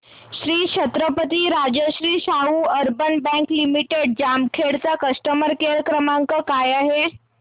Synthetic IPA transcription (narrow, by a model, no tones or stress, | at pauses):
ɕɾiːt͡ɕʰət̪ɾəpət̪iɾad͡ʑəɕɾiːsaɦuəɾbənbɛ̃ŋklimiʈeɖ̚d͡ʑamkʰeɽt͡sakəsʈəməɾkeɾəkɾəmaŋkəkajaɦe